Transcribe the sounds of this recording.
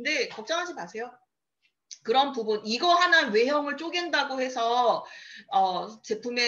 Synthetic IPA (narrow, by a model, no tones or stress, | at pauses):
kɯnde̞kʌp̚t͡ɕ͈ʌŋɦad͡ʑimasʰe̞jo | kɯɾʌnpubuniɡʌɦanawe̞ɦjʌŋɯɭt͡ɕ͈ʰoɡendaɡohe̞sʰʌ | ʌt͡ɕe̞pʰume